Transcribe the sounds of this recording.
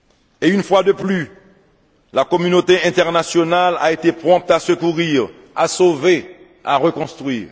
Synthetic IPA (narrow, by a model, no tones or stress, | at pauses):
eynfwad̪əply | lakɔmynot̪eɛ̃t̪ɛʁnasjɔnala̰et̪epχɔ̃p̚t̪asəkuʁiːʁ | a̰sove | a̰ʁəkɔ̃st̪χɥiːʁ